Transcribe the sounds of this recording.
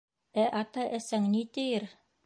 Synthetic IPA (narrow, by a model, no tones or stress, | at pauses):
æʔɑt̪ɑʔæsæŋnit̪ɘjɘɾ